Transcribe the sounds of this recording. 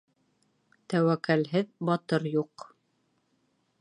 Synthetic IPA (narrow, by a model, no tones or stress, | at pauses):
t̪æwækælɦɘðbɑt̪ɤɾjuq